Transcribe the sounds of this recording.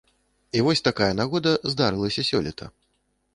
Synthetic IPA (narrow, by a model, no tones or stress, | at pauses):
ivɔsʲt̪akajɐnaɣɔd̪ɐzd̪aɾɨlˠɐsʲɐsʲɔlʲit̪ʰɐ̰